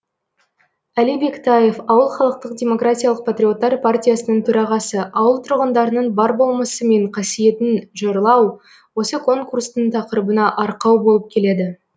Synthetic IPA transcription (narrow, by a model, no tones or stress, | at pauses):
ælijbe̞kt̪ʰaje̞fɑwəlˠχɑlˠəq̚t̪əqdʲe̞mo̞kɾatʲijalˠəq̚pʰat̪rʲijo̞t̪ːɑɾpʰartʲijasənəɴt̪ʰɵɾɑʁɑsəʔɑwəlˠt̪ʰʊɾʁənd̪ɑɾənəɴbɑɾbo̞lˠməsəme̞ɴqʰɑsije̞t̪ɪnʒoɾlˠɑw | wo̞səkʰo̞ŋkurst̪əɴt̪ʰɑqəɾəbənɑʔɑɾqɑwbo̞lˠəp̚kʲʰe̞le̞d̪ɪ